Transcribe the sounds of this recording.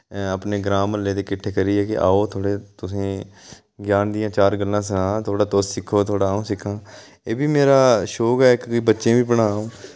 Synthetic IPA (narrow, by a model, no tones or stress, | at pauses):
əpneːɡɾaːməlːeːd̪eːkɪʈʰːeːkəɾiːɛːkɪʔa̰ːoːt̪ʰoːɽeːt̪ʊsẽː | ɡjaːnd̪ijãːt͡ʃaːɾɡəlːãːs̬ənãːt̪ʰoːɽaːt̪oːsɪkʰːoːt̪ʰoːɽaːõːsɪkʰãː | eːbiːmeːɾaːʃoːkɛːkoiːbətːʃẽːbiːbəɽaːõː